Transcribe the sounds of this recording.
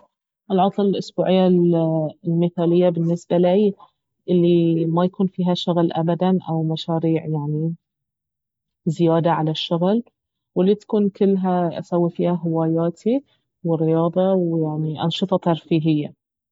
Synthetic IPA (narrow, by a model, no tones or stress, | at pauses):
ʔɪlʕɑt̪ˤllʔʊsbuːʕɪjːa | lmɪθaːlɪjːabɪnːɪsbalaj | ʔɪlːimajakuːnfiːɦaʃʊɣlʔa̰bad̪anʔa̰wmaʃaːɾiːʕjaʕni | zɪjaːd̪aʕalaʃːʊɣl | wɪlːit̪ḁkuːnkɪlːɦaʔa̰sawːifiːhaɦɪwaːjaːt̪ʰi | wɪrːɪjɑːðˤɑwjaʕniʔɑnʃɨt̪ˤɑt̪ɑɾˤfiːɦɪjːa